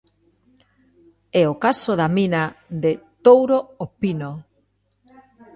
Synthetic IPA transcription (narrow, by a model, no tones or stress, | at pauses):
ɛokasoðamĩnaðet̪owɾoopino